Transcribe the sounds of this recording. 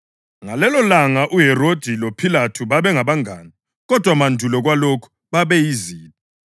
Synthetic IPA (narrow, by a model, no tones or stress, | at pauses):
ŋalɛlɔlaŋaʔuɦɛrod̥ʱilopʰilatʰuβaβɛŋaβaŋʱaːni | ɣɔd̥ʱwamandʱulɔɣwalokʰu̥ | βaβɛjiziːnɔ